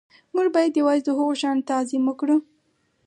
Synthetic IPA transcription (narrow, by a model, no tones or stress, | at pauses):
muɡbɑjad̪jawɑzd̪əɦəɣoʃɑnt̪azɪməkɽu